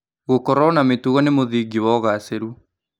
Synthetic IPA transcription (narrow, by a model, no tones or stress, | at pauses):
ɣokɔɾɔnametuɣɔnemoðiɡiwɔɣaseɾu